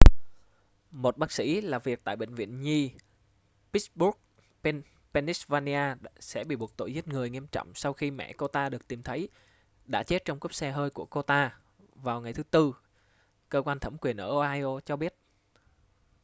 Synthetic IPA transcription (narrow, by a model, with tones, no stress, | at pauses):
mo˨˩t̚ɓaː˦˥k̚sḭ˧˥laː˨˩vi˨˩ək̚t̪a̰ː˧˨jɓḛ̈˧˨ŋ̟vḭ˧˨ənɲi˧ | pi˦˥sɓu˦˥k̚ | pe˧ni˦˥svaː˧ni˧ʔaː˧sɛ̰˧˥ɓḭ˧˨ɓu˨˩ət̚t̪o̰˧˨jzi˦˥k̚ŋɨ˨˩əjŋi˧əmt͡ɕɔ̰˧˨wŋ͡msa˧wxi˧mɛ̰˧˨ko˧t̪aː˧ɗɨ˨˩ək̚t̪i˨˩mt̪ʰə˨˦j | ɗa̰ː˧˥t͡ɕe˦˥t̚t͡ɕɔ˧wŋ͡mkə˦˥p̚sɛ˧ɦəː˧jku˧˩əko˧t̪aː˧ | vaː˨˩wŋa˨˩jt̪ʰɨ˨˦t̪ɨ˧ | kəː˧kwaː˧nt̪ʰə˧˩mkwi˨˩ənʔəː˧˩˧ʔaː˧jʔo˧t͡ɕɔ˧ɓi˦˥ət̚